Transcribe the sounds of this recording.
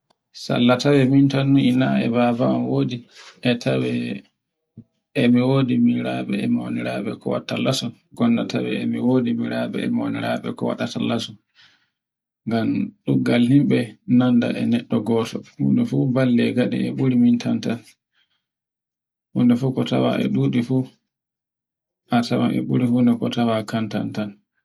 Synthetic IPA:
sa̰lːatawɛmintanːuinaɛ̰baːbaɔnwoːdiʔɛtʰawɛ | ɛmiwoːdimiɾaɓɛɛmo̰niɾaɓɛkɔwa̰tːalasɔ | ɡɔndatawɛ̰ɛmiwoːdimiɾaɓɛ̰ɛmoniɾaɓɛ̰kɔwa̰ɗatalasɔ | ŋɡamɗuɡalhimɓɛnanda̰ʔɛnɛɗːɔɡɔːtɔhṵːndɛfuːbalːɛɡaɗḭɛɓuɾimintʰantan | hundɛfukɔtawa̰ʔɛ̰ɗuːɗifu | ʔatawa̰ʔɛ̰ɓuɾihundɛkɔtawakanta̰ntan

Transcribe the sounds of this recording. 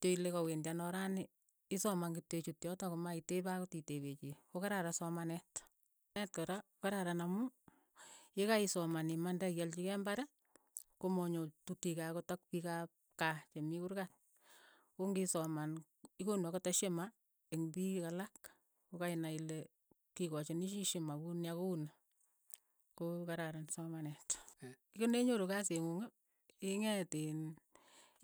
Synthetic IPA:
toilekawendanɔɾanɪ | isɔmaŋɡitet͡ʃutjɔtakomaitebakotiteβet͡ʃikokaɾaɾasɔmanɛt | nɛt̚kɔɾaokaɾaɾanamu | jekaisɔmanimandajɛlt͡ʃikɛmbaɾɛ | komɔɲotutikakotɔk̚pika | kat͡ʃemikuɾkat | koŋɡisɔman | ikonwakotɔʃema | eŋbikalak | kokainaile | kikɔt͡ʃeniʃiʃemakunjakouna | kokaɾaɾansɔmanɛt | ikoneɲoɾokas̬eŋuŋo | iŋɛtin

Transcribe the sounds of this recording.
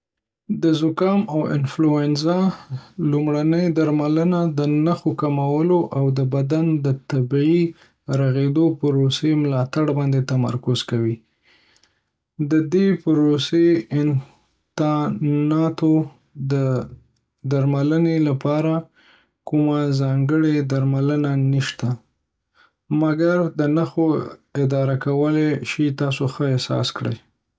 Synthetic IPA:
d̪əzʊkɑmawɪ̰nfluɛnsalumɽanəjd̪aɾmalənad̪ənaxokamawəloʔawd̪əbad̪and̪ət̪abii | ɾaɣed̪opəɾosemlɑt̪aɽbɑnd̪et̪ama̰ɾkʊzkawi | d̪əd̪epɾoseɪn | t̪ɑnɑt̪o | d̪ə | d̪aɾmalənelapɑɾa | kʊmazɑŋɡəɽed̪aɾmalənaniʃt̪a | maɡaɾd̪ənaxoɪd̪ɑɾakawəleʃit̪ɑsoxəɪsɑ̰skɽə̰j

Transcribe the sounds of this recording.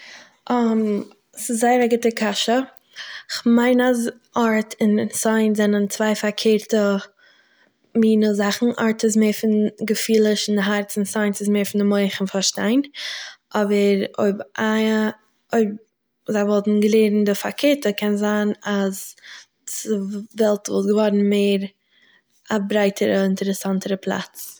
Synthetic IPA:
ʔɔm | sɪzːaɪəɾaɡɪtəkʰaʃə | ɪχmaɪnaz | ɔɾtʰɪnsaɪnzɛnənt͡svaɪfakʰeːɾtə | miːnəzaχn̩ʔɔ̰ɾtɪs̬meːfɪnɡəfiːlˠəʃɪndɪɦaɾt͡sɪnsaɪnsɪsmeːɾfɪndɪmoɪχɪnfaɾʃtaɪnʔɔbəɾo̰ɪbʔa | oɪb̚ | zaɪvɔlˠtn̩ɡəleːɾn̩dɪfakʰeːɾtəkʰɛnzaːnaz | ɪvɛlˠtvʊ̰lˠsɡəvɔɾn̩meːɾ | abɾaɪtʰəɾəɪntəɾɛsantəɾəpʰlˠa̰t͡s

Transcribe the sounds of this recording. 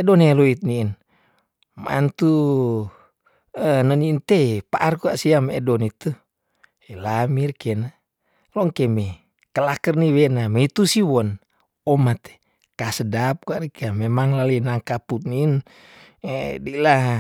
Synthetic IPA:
ɛdɔneloit̪̚niːn | ma̰nt̪u | ənəniːnt̪epaʔarkuaʔsiamɛdɔnit̪u | elamirkena | lɔŋkemɛ | kəlakərniwenameit̪usiwɔn | ɔmat̪e̥ | kasədap̚kuaʔɾikiamemaŋlalinaŋkaput̪̚niːn | ɛ̰dila

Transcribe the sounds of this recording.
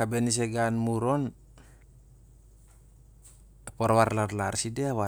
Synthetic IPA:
abenis̬eɡanmuɾon | apoɾwaɾlarlaɾsideawa

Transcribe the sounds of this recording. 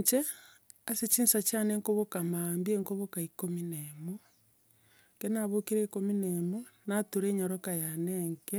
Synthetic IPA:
t͡ʃe | aset͡ʃiːnsat͡ʃaneŋkoβokamambieŋkoβokaikominemo | kenaβokeɾeikominemo | natuɾeːɲaɾokajaneŋke

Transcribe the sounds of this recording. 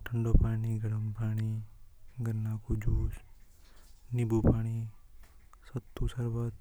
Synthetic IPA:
ʈʰəɳɖopaːniɡəɽəmpaːɽ̃i | ɡəɾnakud͡ʒuːs | nibupaːɽ̃i | sət̪ːusəɾʋət̪

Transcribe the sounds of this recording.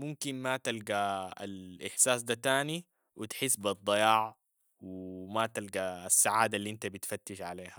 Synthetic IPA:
mumkinmat̪alɡaa̰lʔɪħsaːsd̪at̪aːni | wit̪ħɪsːbɑd̪ˤːɑjɑːʕ | wimat̪alɡaːsːaʕaːd̪alːiʔint̪abit̪fat̪ːɪʃʕaleːha

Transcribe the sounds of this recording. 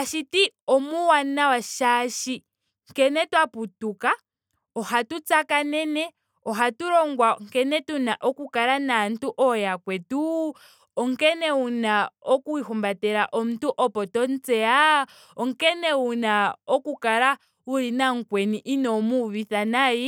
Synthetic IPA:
aʃitiɔmuwanawaʃaʃi | ŋkɛnɛtwaputuka | ɔhatut͡sakanɛnɛ | ɔɦatuɾɔŋɡwaŋkɛnɛtunaʔɔkukaɾanan̩tuʔɔjakwɛtu | ɔŋkɛnɛunaɔkuihumbatɛɾaʔɔm̩tuʔɔpɔtɔnt͡sɛa | ɔŋkɛnɛunaɔkukaɾa | uɾinaŋ̩kwɛniʔinɔmuβiθanaji

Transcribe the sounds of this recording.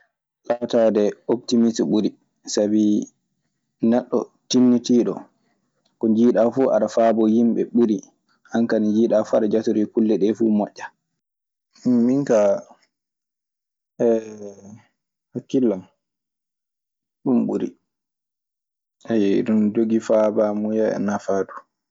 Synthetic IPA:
latadɛoptimisɓuɾi | sabi | nɛɗːɔtinːitiːɗɔ̰ | kɔd͡ʒiːɗafuʔa̰ɗafaːbɔjimɓɛ̰ɓuɾi | hankanid͡ʒiːɗafuaɗad͡ʒatoɾikulːɛɗɛfumɔʔːa | inka | ɛ | hakːilːam | ɗumɓuɾḭ | ʔajɗundoɡifabamujaɛ̰nafadu

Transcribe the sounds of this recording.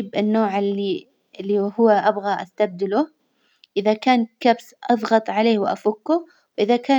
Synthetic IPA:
bʔɪnːoːʕɪli | lːihʊwːʔabɣaʔa̰st̪ab̚d̪ɪlʊ | ʔɪðakaːnkabsʔɑðˤɣɑt̪ˤʕaleːwɪʔa̰fʊkːʊ | wʔɪðakaː

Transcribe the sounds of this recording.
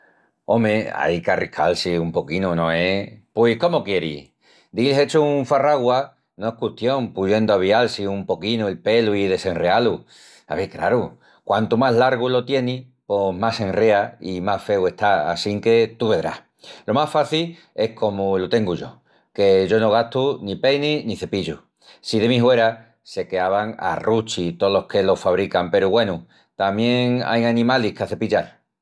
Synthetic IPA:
o̞mea̰jkarikʰa̰lsiumpo̞kinunõ̞epweko̞mokje̞ɾḭ | d̪ilset͡ʃouɱfaraɣwa | noe̞hkuht̪joŋpuʝe̞nd̪oaβ̞ialsiumpo̞kinuelpe̞luiðe̞se̞nrealu | a̰βekɾa̰ɾu | kwant̪umaɦlaɾɣulo̞t̪je̞ni | po̞masẽ̞nreaimahfe̞we̞ht̪aa̰siŋke̞t̪uβe̞ðɾa̰h | lo̞masfaθil | e̞hkʰo̞mulot̪e̞ŋɡuʝo̞̰ | ke̞ʝo̞no̞ɣ̞at̪unipejniniθe̞piʎu | siðe̞miɦwe̞ɾa | se̞keaβaŋa̰rut͡ʃit̪olohke̞lo̞faβ̞ɾikampe̞ɾuɣwe̞nu | t̪amjẽ̞ŋa̰janĩmalihkeaθe̞piʎal

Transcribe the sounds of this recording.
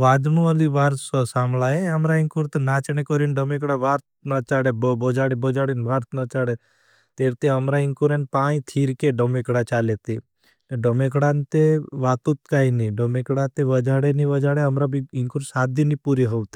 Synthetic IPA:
ʋaːd̪nũəliʋaːɾssaːmlaeəmɾaĩŋkuɾt̪enaːt͡ʃñekɔɾinɖəmekɽaʋaːɾt̪nat͡ʃaːɽebbɔd͡ʒaɽebɔd͡ʒaːɽinʋaːɾt̪ʰnat͡ʃaːɽe | t̪eːɾt̪eəmɾaiŋkuɾenpaːĩt̪ʰiːɾkeɖəmekɽat͡ʃaːlet̪e | neɖəmekɽant̪eʋaːt̪ut̪̚kaːiniɖəmekɽat̪eʋəd͡ʒaːɽeniʋəd͡ʒaːɽeəmɾabiɪŋkuɾsaːd̪inipuɾiɦɔʋt̪e̥

